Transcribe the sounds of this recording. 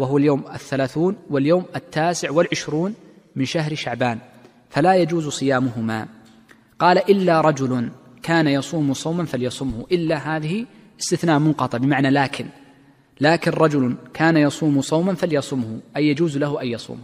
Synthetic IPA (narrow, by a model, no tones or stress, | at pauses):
waɦʊwaljoːmɪθːalaːθuːnwɪljoːmʔɪt̪ʰːaːsɪʕwɪlʕɪʃɾuːn | mɪnʃaɦɾʃaʕbaːn | falajad͡ʒuːzsˤɨjaːmʊɦʊma̰ | qɑːlaʔɪlːaɾˤɑd͡ʒʊlʊn | kʰaːnajɑsˤuːmʊsˤɑwmanfaljɑsˤʊmhʊʔɪlːaɦaːðɪhɪ | ʔɪst̪ɪθnaːʔmʊnqɑt̪ˤɨʕbɪmaʕnalaːkʰɪn | laːkɪnɾˤɑd͡ʒʊlkʰaːnajɑsˤuːmʊsˤɑwmanfaljɑsˤʊmhʊʔajːad͡ʒuːzlaɦʊʔajjɑsˤṵːm